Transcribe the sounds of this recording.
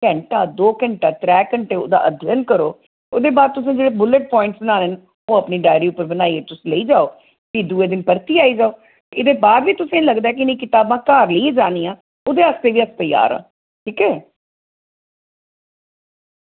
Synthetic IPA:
kɛ̃ɳʈaːd̪oːkəɳʈaːt̪ɾɛːkəɳʈeːo̰ːd̪a̰ːʔəd̪ʱjənkəɾo̰ː | o̰ːd̪eːbaːd̪̚t̪ʊs̬ẽːd͡ʒeːɽeːbʊləʈ̚pɔːɪ̃ɳʈsbənaːnen | oːəpniːɖaːɪɾiːʊpəɾbənaːiːeːt̪ʊsːləiːd͡ʒaːoː | kiːd̪uːeːd̪ɪnpəɾt̪iːaːiːd͡ʒaːoː | t̪eɪd̪eːbaːd̪ʋiːt̪ʊsẽːləɡd̪aːɛːk̬iɪnĩːkɪt̪aːbãːkaːɾləieːd͡ʒaːniːãː | oːd̪eːəst̪eːʋiːəst̪əja̰ːɾa̰ː | ʈʰiːkɛː

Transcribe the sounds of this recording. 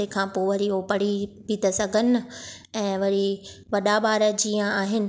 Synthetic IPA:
ekʰãːpoːʋɐɾiɦopɐɽ̤ibʱit̪ɐsɐɡʱənɪ̆ | ɛ̃ːʋɐɾi | ʋɐɗaɓaːɾəd͡ʑijə̃aːɦɪnɪ̆

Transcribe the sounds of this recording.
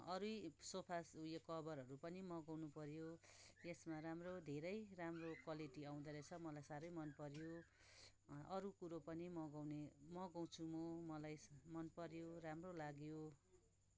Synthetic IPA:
ʌɾujsopʰasujʌkʌbʌɾɦʌɾupʌnimʌɡʌwnupʌɾjojesmaɾamrod̪ʱeɾʌjramrokwaliʈiaw̃d̪ʌɾet͡sʰʌmʌlajsaɾʌjmʌnpʌɾjo | ʌɾukuɾopʌnimʌɡʌwnemʌɡʌw̃t͡sʰumomʌlajmʌnpʌɾjoɾamrolaɡjo

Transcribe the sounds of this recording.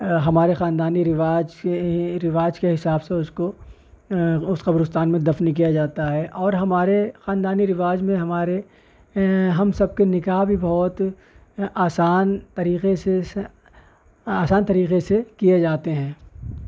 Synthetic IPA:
ɦɐmaːɾexãːnd̪aːniɾɪʋaːd͡ʒkeɾɪʋaːd͡ʒkeɦɪsaːbseʊsko | ʊsqɐbɾʊst̪aːnmẽd̪ɐfnik̬ijad͡ʒaːt̪aɦɛʔɔːɾɦɐmaːɾexaːnd̪aːniɾɪʋaːd͡ʒmẽɦɐmaːɾe | ɦɐmsɐb̚kenɪkaːɦbʱibɔːt̪ | aːsaːnt̪ɐɾiːqese | aːsaːnt̪ɐɾiːqesekijed͡ʒaːt̪eɦɛ̃ː

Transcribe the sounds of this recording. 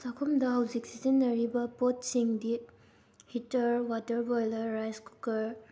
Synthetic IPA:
sakʰumdɐɦɐwzik̚sizinːɐɾibɐpot̚siŋdi | hitɐɾwatɐɾbojlɐːajskukɐɾ

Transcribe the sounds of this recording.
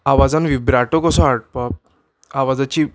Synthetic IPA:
aʋad͡zanʋibɾaʈokɔsɔaɽ̚pap̚ | aʋad͡zat͡ɕi

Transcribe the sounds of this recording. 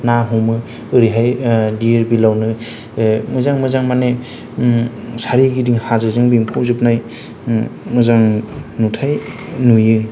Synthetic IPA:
naɦumɯ | ɯɾiɦajdiɾbilawnɯ | mɯzaŋmɯzaŋmane | saɾiɡidiŋhazɯzɯŋbimpʰupzɯp̚naj | mɯzaŋnutʰaj | nujɯ

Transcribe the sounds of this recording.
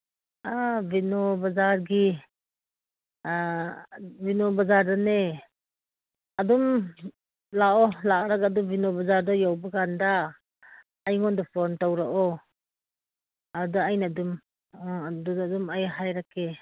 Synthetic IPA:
avinɔbazaɾɡi | vinɔbazaɾdane | adum | laɔlaɾakadubinɔbazaɾdɔjawbaɡandaː | jŋɔndɔpʰɔntawɾaʔɔ | aɾdaajnadum | duddumajɦajɾake

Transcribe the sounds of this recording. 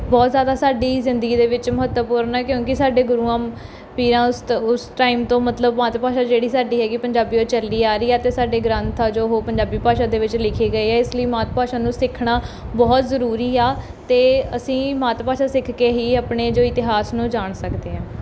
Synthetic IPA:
bɔːt̪zjaːd̪aːsaːɖiːzɪnd̪əɡiːd̪eːʋɪt͡ʃmʊɦət̪əpuːɾnɛːkjõːkɪsaːɖeːɡʊɾuːãː | piːɾãːsʊsʈaːɪmt̪õːmət̪ləbmaːt̪paːʃaːd͡ʒeːɽiːsaːɖiːɦɛːkɪpəɲd͡ʒaːbiːoːt͡ʃəliːaːɾiːɛːt̪eːsaːɖeːɡɾãːnt̪ʰaːd͡ʒoːɦoːpəɲd͡ʒaːbiːpaːʃãːd̪eːʋɪt͡ʃlɪkʰiːɡəiːɛːɪsləiːmaːt̪paːʃaːnũːsɪkʰɳaːbɔːt̪zəɾuːɾiːaː | t̪eːəsĩːmaːt̪paːʃaːsɪkʰkeːɦiːaːpɳeːd͡ʒoːɪt̪ɪɦaːsnũːd͡ʒaːɳsəkd̪eːɦãː

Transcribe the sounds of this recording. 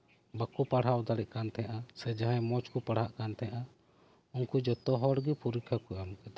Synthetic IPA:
bakupaɽ̤awd̪aɽɛʔ̚kant̪ʰɛaʔasɛd͡ʒaɦãmɔt͡ʃkupaɽ̤haʔkant̪ʰɛjʔa | unkud͡ʒɔt̪ɔɦɔɽɡipuɾikʰakuamkɛd̪a

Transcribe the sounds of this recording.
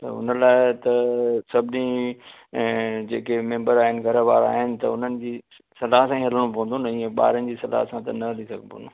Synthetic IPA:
t̪ɐ̰ʊ̰nəlaːɪt̪ɐsɐbʱɪnĩ | d͡ʑeːkemẽːmbəɾaːɦɪnɪ̆ɡʱɐɾəʋa̰ːɾa̰ːɦɪnɪ̆t̪ɐʊn̤ənɪ̆d͡ʑiː | sɐlaːɦsãĩɦɐləɽ̃õpɐʋ̃nd̪oːnɐĩːẽɓa̰ːɾənɪd͡ʑiːsɐla̰ːɦsãt̪ɐnɐɦɐlisɐɡʱpʰõ̰nd̪o

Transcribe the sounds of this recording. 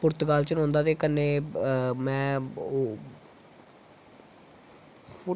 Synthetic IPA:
pʊɾt̪ɡaːlt͡ʃənõːnd̪aːt̪eːkənːeːmɛ̃ː

